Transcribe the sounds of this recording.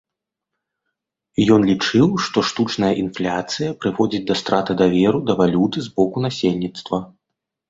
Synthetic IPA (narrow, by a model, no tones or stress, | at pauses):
ijɔnlʲit͡ʂɨwʂt̪ɔʂt̪ut͡ʂnɐjɐʔinflʲat̪sɨjɐpɾɨvɔd͡zʲid͡zʲd̪ɐst̪ɾʔat̪ɨd̪avʲɛɾud̪ɐvalʲut̪ɨzbɔkun̪asʲelʲnʲit̪st̪vɐ